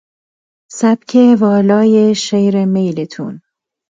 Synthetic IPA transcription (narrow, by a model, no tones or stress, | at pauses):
sæb̥cʰevɒːlɒːjeʃejɾemejlet̪ʰṵn